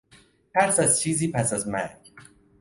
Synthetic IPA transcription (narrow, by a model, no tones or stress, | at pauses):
pʰæɾsæz̥t͡ʃʰiːzipʰæsazmæ̰ɡ